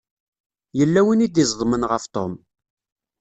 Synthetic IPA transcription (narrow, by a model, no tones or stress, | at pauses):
jəlːæwinid̪izˤðˤmənʁəft̪ˤo̰m